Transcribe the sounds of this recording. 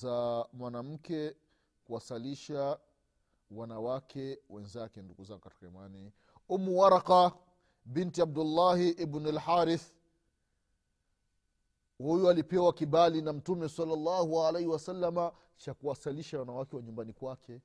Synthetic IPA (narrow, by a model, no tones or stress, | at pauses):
amwanam̩kɛ | kuwasaliʃa | wanawakʰɛwɛnzakɛnduɡuzaŋɔkati̥kaḭmani | umuwaɾaqa | bintiab̚dulːahiʔibnalħaɾiθ | hujualipɛwakiɓalinam̩tumɛsalːalːahualejhiwasalːama | t͡ʃakuwasaliʃawanawakɛwaɲumbanikwakʰɛ